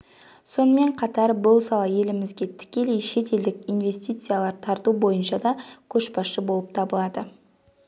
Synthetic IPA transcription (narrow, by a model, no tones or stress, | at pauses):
so̞nəme̞ɴqʰɑt̪ɑɾbʊlˠsɑlˠɑje̞lɪmɪzɡʲe̞t̪ʰɪ̥kʲe̞le̞jʃe̞t̪e̞ld̪ɪkʲijnve̞st̪ijt̪sɨjalˠɑɾt̪ʰɑɾt̪ubo̞jənʃɑd̪ɑkʲʰɵʃpɑsʃəbo̞lˠəp̚t̪ʰɑbəlˠɑd̪ə